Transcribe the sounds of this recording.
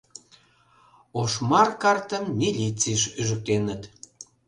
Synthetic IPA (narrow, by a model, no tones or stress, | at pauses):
oʃmɑrkɑrt̪əmːʲilʲit͡siʃyʒə̆k̚t̪enət̪